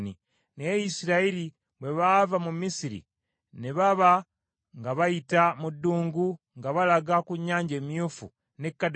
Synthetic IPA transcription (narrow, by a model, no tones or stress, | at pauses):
ni | nejisiɾaiɾi | βwe̞βaːvamumisiɾḭ | neβaβa | ŋɡaβajitamudːuːŋɡu | ŋɡaβalaɡakuɲːaːɲɟe̞ːmjuːfṵ | nekːad